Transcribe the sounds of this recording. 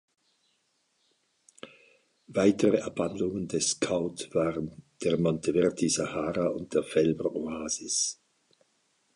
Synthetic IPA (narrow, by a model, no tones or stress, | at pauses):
vaɪtəʁəʔɛɐb̥andlʊŋəndɛskʰaʊtv̥aːʁənd̥eːɐʁmɔntʰəvɛʁtʰizahaːʁaʊnt̚d̥eːɐfɛlbənoaːzɪs